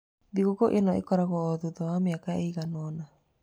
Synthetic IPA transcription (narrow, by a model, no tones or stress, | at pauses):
ðiɣoɣoʔenɔḛkɔɾaɣɔːðuðɔwameakaeiɣanɔna